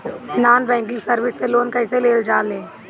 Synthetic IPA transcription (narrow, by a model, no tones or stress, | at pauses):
naːnbɛ̃ːŋkɪ̃ŋɡsəɾʋɪsːeloːnkɛːɪseleːld͡ʒaːlẽː